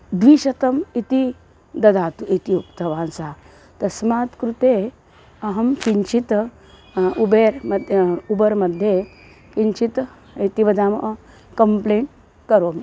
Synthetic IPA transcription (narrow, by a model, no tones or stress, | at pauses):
d̪ʋiːɕɐt̪əmit̪i | d̪ɐd̪aːt̪uʔit̪iukt̪əʋãnsa | t̪ɐsmat̪kɾut̪e | ɐɦɐmkiɲt͡ʃit̪ | ubeɾmd̪ʱubəɾməd̪ʱːje | kiɲt͡ʃit̪ | it̪ibɐd̪am | kəmpleɳʈ | kəɾomi